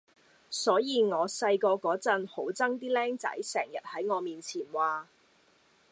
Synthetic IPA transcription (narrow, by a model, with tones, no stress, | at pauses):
sɔː˨˥jiː˨˧ŋɔː˨˧sɐ˧jkɔː˧kɔː˨˥t͡sɐ˧nho˨˥wt͡sɐ˥ŋt̪iː˥lɛː˥ŋt͡sɐ̰˨˥jsɛː˨˩ŋjɐ˨t̚hɐ˨˥jŋɔː˨˧miː˨nt͡sʰiː˨˩nwaː˨˧